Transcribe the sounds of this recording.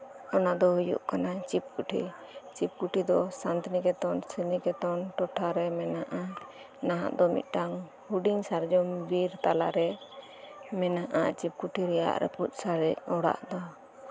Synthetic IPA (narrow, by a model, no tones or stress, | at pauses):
ɔnad̪ɔɦujṵʔkanat͡ʃip̚kuʈʰḭ | t͡ʃip̚kuʈʰid̪ɔsant̪nikɛt̪ɔnsənikɛt̪ɔnʈɔʈʰaɾɛmɛnaʔa | naɦa̰ʔd̪ɔmḭt̪̚ˀʈaŋ | huɖiŋsaɾd͡ʒɔmbiɾt̪alaɾɛ | mɛnaʔa̰t͡ʃip̚kuʈʰiɾɛja̰ʔɾɛ̰put̪̚saɾɛc̚ɔɽa̰ʔd̪ɔ